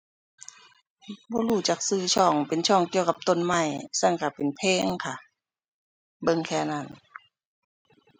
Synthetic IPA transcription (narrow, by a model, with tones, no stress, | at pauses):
bɔː˧˦luː˧˩t͡ɕa˧˩k̚sɯː˧˨t͡ɕʰɔ˧˩˨ŋpe˨nt͡ɕʰɔː˧˩˨ŋki˧əwka˧˦p̚t̪o˧˨nma˧˩˨jsa˧˥˩ŋka˧˩pe˨npʰeː˧˥˨ŋkʰa˧˩ | bɤ˧˨ŋkʰɛː˧˩na˧˩˨n